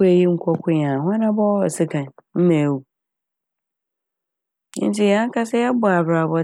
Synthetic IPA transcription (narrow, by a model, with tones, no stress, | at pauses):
e˨ji˦ŋ̩˦kʷʰɔ˦kʰʷʊ˦jã˨ɦã˦nã˦bɔ˦ɔ˨sɪ˦kʰã˨nm̩˦mã˨wu˨˦ | n̩˦ti˦˨ja˦ŋ̩˦kʰa˦sɛ˦ɛ˦bʊ˨a˨bɾa˨bɔ˨